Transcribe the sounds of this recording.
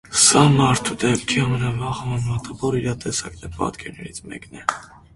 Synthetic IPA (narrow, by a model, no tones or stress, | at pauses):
sɑmɑɾt̪ʰud̪ɛpt̪ʰiɑmɛnɑvɑχɑmɑnmɑt̪ʰɑvɔɾiɾɑt̪ɛsɑknɛpɑ̰t̪kʰɛɾnɛ̰ɾit͡sʰmɛ̰knɛ